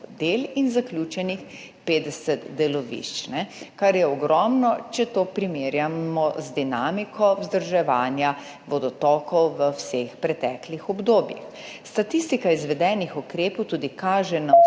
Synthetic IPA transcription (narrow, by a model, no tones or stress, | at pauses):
d̪eːlinzaklʲjuːt͡ʃɛnix | peːd̪ɛsɛt̪d̪ɛlɔʋḭʃt͡ʃnɛkaɾjɛɔɡɾɔːmnɔt͡ʃɛt̪oːpɾimeːɾjaɔzd̪inaːmikʰɔwzd̪əɾʒɛʋaːnja | ʋɔd̪ɔt̪ɔːkɔwʋəwsexpɾɛt̪ɛːklixɔbd̪oːbjḭx | st̪at̪ist̪ikaizʋɛd̪ɛːnixɔkɾeːpɔwt̪uːd̪ikaːʒɛna